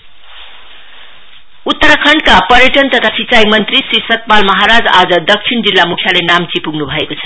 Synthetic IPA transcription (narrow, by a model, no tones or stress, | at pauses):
ut̪ːʌɾʌkʰʌɳɖkapʌɾjʌʈʌnt̪ʌt̪ʰasit͡sajmʌnt̪risrisʌt̪̚palmʌɦaɾad͡zad͡zʌd̪ʌk̚t͡sʰiɳd͡zilːamukʰjalenamt͡sipuɡnubʱʌekot͡sʰʌ̥